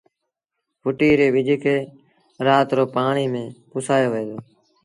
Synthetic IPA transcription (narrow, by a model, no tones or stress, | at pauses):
pʊʈiːɾeːʋɪd͡ʒʱkʰeː | ɾaːt̪ɾoːpaːɳiːmẽːpʊsʰaːjoːʋəeːd̪oː